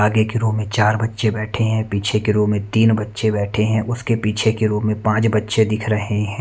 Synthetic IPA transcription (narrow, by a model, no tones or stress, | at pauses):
aːɡekɪɾomẽt͡ʃaːɾbɐtːʃebɛːʈʰeɦɛ̃piːt͡ʃʰekɪɾoːmẽt̪iːnbɐtːʃebɛːʈʰeɦɛ̃ːʔʊskepiːt͡ʃʰekeɾoːmẽpãːt͡ʃbɐtːʃed̪ɪkʰɾɐɦeɦɛ̃ː